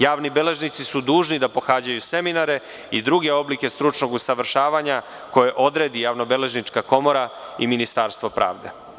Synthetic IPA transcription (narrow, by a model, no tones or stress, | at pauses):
jaːʋnibele̞ʒnit̪sisud̪uːʒnid̪apo̞xaːd͡ʑajuse̞minaɾe̞ | id̪ɾuɡe̞o̞blike̞st̪ɾut͡ʂno̞ɡusaʋr̩ʃaːʋaɲa | ko̞je̞ʔo̞d̪ɾe̞ːd̪ijaʋnobele̞ʒnit͡ʂkako̞mo̞ɾaiminist̪aːɾst̪ʋo̞pɾʔa̰ːʋd̪e̞̰